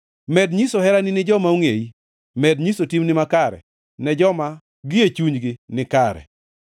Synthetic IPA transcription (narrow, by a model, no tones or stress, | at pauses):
mɛdɲisohɛɾanɪnɪd͡ʒɔmauŋei | mɛdɲisotimnɪmakaɾɛ̰ | nɛd͡ʒɔma | ɡɪet͡ʃuɲɡɪnɪkaɾɛ̰